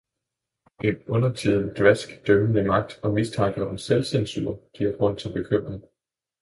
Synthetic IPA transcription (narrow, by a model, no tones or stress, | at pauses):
ʔe̝nɔ̽nɐt͡sʰḭð̰ˠn̩d̥ʋæsɡ̥d̥œmənəmɑ̈ɡ̥̚d̥ɒ̽mist͡sʰɑ̈ŋɡ̥əonselsensy̰ːɐɡ̥iæɐɡ̥ʁɔ̽n̰t͡sʰe̝lb̥e̝kʰøm̰ʁeŋ